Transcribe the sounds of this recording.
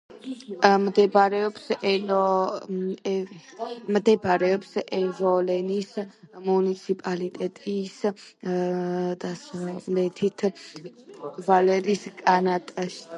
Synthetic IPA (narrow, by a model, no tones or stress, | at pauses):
md̪ɛbɾɛɔpsɛlɔ | md̪ɛbɾɛɔpsɛvɔlɛnismunit̪sʰipʼalit̪ʼɛt̪ʼis | d̪̥asavlɛt̪ʰit̪ʰ | valɛɾiskʼanat̪ʼaʃi̥